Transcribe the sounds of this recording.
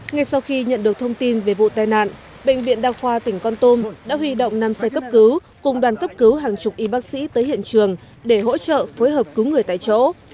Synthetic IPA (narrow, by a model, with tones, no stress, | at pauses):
ŋa˧jsa˧wxi˧ɲə̰˧˨nɗɨ˨˩ək̚t̪ʰə˧wŋ͡mt̪i˧nve˨˩vṵ˧˨t̪aː˨˩jna̰ː˧˨n | ɓḛ˧˨jŋ̟vḭ˧˨ənɗaː˧wxwaː˧t̪ï˧˩ŋ̟kɔ˧nt̪o˧mɗa̰ː˧˥ɦwi˧ɗo̰˧˨wŋ͡mna˧msa˧jkə˦˥p̚kɨ˨˦w | kʊ˨˩ŋ͡mɗwaː˨˩nkə˦˥p̚kɨ˨˦wɦaː˨˩ŋt͡ɕʊ˨˩p̚ʔi˧ɓa˦˥k̚sḭ˧˥t̪əː˨˦jhḭ˧˨ənt͡ɕɨ˨˩əŋ | ɗe˧˩ɦo̰˧˥t͡ɕə̰ː˧˨foː˨˦jɦəː˨˩p̚kɨ˨˦wŋɨ˨˩əjt̪a̰ː˧˨jt͡ɕo̰˧˥